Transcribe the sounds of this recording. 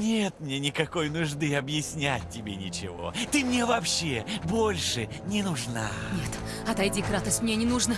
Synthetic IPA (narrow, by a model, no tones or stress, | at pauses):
nʲet̪mnʲenʲɪkɐko̞jnʊʐd̪ɨɐbjɪsʲnʲæt̚ʲːɪbʲenʲɪt͡ɕɪ̰vo̞̰t̪ɨmnʲe̞vɐpɕːebo̞lʲʂɨ | nʲɪnʊʐnanʲet̪ | ɐt̪ɐjdʲikɾat̪əsʲtʲmnʲenʲɪnuʐnə